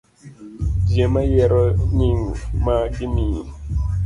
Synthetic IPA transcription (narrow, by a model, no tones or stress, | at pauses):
d͡ʒjemajɛɾɔɲiŋmakimi